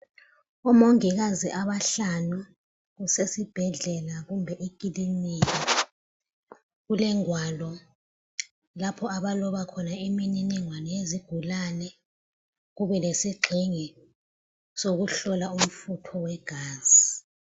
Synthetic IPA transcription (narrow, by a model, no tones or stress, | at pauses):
ɔmoŋiɣaziʔaβaɬanu | ɣusesib̥ʱɛɮɛlaɣumbʱɛʔikʼiliniki | ɣulɛŋwalɔ | lapʰɔaβalɔβakʰɔnaimininiŋwanɔjeziɡ̥ʱulanɛ | ɣuβɛlesiɡ͡ǃʱiŋɛ | soɣuɬɔlaum̩futʰɔwɛɡ̥ʱaːz̥ii